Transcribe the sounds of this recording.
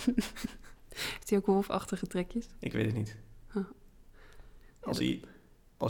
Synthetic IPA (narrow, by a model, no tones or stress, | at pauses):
ftiowkɦolˠfɑ̰χtəχətrɛkjəsɪkʋḛtətnitha | ɑ̰sḭ | ɑ